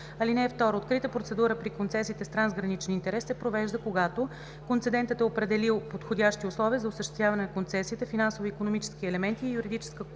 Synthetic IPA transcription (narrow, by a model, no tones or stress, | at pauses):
ɐlinɛːft̪ɔɾoːt̪kɾit̪əpɾot̪sɛd̪uɾəpɾikont̪sɛsiːt̪ɛst̪ɾanzɡɾɐnit͡ʃɛnint̪ɛɾɛsːɛpɾovɛʒd̪əkoɡat̪o | kont̪sɛd̪ɛnt̪ət̪ɛopɾɛd̪ɛlilˠpot̪xodʲaʃt̪iʊslˠɔviəzɐʊsəʃt̪ɛst̪vʲjavɐnɛnɐkont̪sɛsit̪əfinansoviːkonomit͡ʃɛ̥skiɛlɛmɛnt̪iːjuɾid̪it͡ʃɛ̥skə